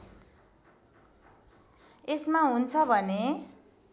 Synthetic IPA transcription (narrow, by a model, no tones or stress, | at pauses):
esmaɦunt͡sʰʌbʱʌne